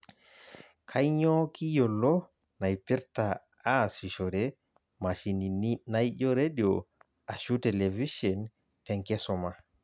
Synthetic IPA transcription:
kʰajɲɔkijɔlːɔ | najpiɾta | asiʃɔdɛ | maʃininajʄɔɾediɔ | aʃutɛleviʃɔn | tɛŋkɛsɔma

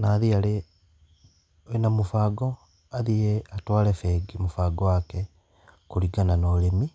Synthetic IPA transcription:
naːðiale | namufaːɡɔ | aðieatwaːlefeɡimufaːɡɔwakɛ | kuɾiɡananolemi

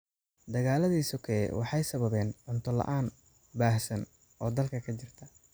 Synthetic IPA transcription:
d̪ɐɣaːlɐðiːsɔkʰɐɛ̰wʔɑħɑjsɐβɐβɛːnʕʊnt̪ʰɔlɐ̰ʔaːn | baːhsɐn | ɔːd̪ɐlkʰɐkʰɐt͡ʃɪrt̪ʰɐ

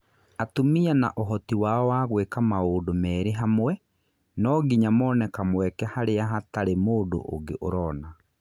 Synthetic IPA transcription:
atomiana̰ʔoɦɔtiwaɔwaɣwekamaoːdomɛːɾeɦamwɛ | nɔɡiɲamɔːnɛkamwɛkɛhaɾeaɦataɾemoːdo̰ʔo̰ɡḛʔoɾɔːna

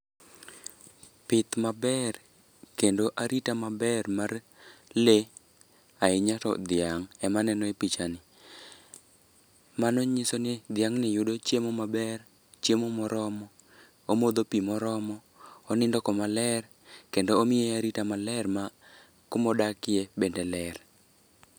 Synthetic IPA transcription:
pɪt̪mabɛr | kendoʔaɾitamabɛrmar | le | aɪɲatɔ̰d̪ɪaŋɛmanɛnɔepit͡ʃanɪ | manoɲisonɪd̪ɪaŋnɪjʊdot͡ʃjemomabɛr | t͡ʃemomɔɾɔmɔ | omod̪opimɔɾɔmɔː | nɪndɔkɔmalɛr | kendoomɪjeaɾitamalɛrma | kʊmɔdakɪebendɛlɛr

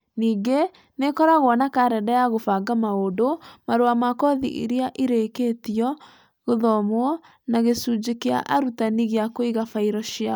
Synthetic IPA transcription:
niːɡe | nekɔɾaɣwɔnakaɾɛdajaɣofaɡamaodomaɾoamakɔðḭʔḭɾeaʔiɾeketiɔ | ɣoðɔmoɔ | naɣesud͡ʑekea̰ʔaɾutaniɣeakoiɣafaiɾɔɕia

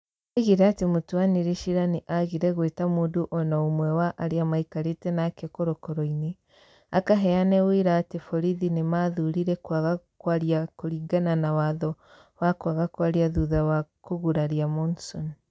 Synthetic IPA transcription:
eɣiɾeatemotwaniɾeʃiɾaniʔaɣiɾɛɣwetamuːnduʔɔnaomwɛwaʔaɾeamaikaɾetɛnakekoɾɔkɔɾɔine | a̰kaɦɛanɛweɾaːtefɔɾiðinemaðuɾiɾɛkwaɣakwaɾjakoɾiɡananawaðɔ | wakwaɣakwaɾjaðuðawakoɣuɾaɾiamɔnsɔn

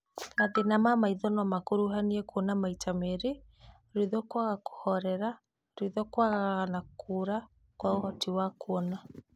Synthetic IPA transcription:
ɾaðinamamaiðɔnɔmakuɾuɦaniɛkɔnamaitʰameɾi | ɾiðɔkwaɣaku̥hɔɾɛɾa | ɾiðɔkwaɣaɣaɣanakuɾa | kwaohɔtiwakuɔna

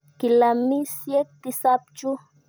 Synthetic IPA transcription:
kɪlamɪsjet̪ɪsap̚t͡ʃʊ

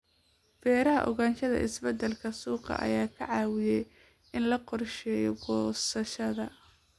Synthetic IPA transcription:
fɛːɾɐɦɐʔɔɣaːnʃɐðɐ̰ʔɪsbɐd̪ɐlkʰɐsuːqɑ̰ʔɐ̰jaːkʰɐʕɑːwɪjɛj | ʔɪnlɐqɔrʃɛːjɔɡɔːsɐʃɐðɐ

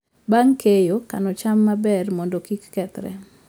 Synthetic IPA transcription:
baŋkejokanɔt͡ʃamːabɛrmɔndɔkikːɛt̪ɾɛ̰

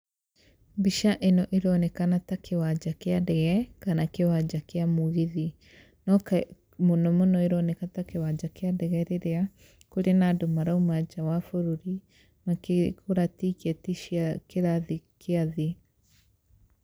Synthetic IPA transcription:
biʃaʔenɔʔeɾɔnɛkanatakʰewad͡ʒakeadɛɣɛkanakewad͡ʒakeamoɣiði | nɔk | monɔmonɔeɾɔnɛkatakewad͡ʒakeadɛɣɛɾeɾea | koɾenadomaɾaumad͡ʒawafoɾoɾi | makekoɾatikɛtiʃiakeɾaðikeaði

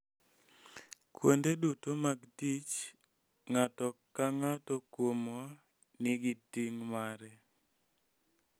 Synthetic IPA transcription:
kwo̰ndedutomaɡdit͡ʃ | ŋatɔkaŋatɔkwomɔ | nɪɡitiŋmaɾɛ

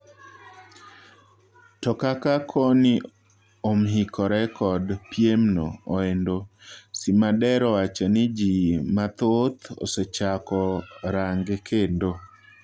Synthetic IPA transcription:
tɔkakakʰɔnɪ | omɦikʰɔɾɛkɔdpjemno̰oendosimadɛɾɔwat͡ʃɔnɪd͡ʒimat̪ot̪o̰set͡ʃakɔɾaŋɡekʰendo

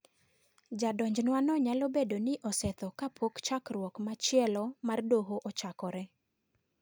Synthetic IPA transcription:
d͡ʒadɔɲd͡ʒnwanɔɲalɔbedonɪʔɔsɛt̪ɔkapʰokt͡ʃakrwɔkmat͡ʃɪɛlɔmardoɦoʔɔt͡ʃakɔɾɛ

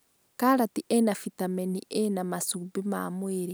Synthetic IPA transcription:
kaɾatiʔenafitameniʔenamasubima̰mweɾe

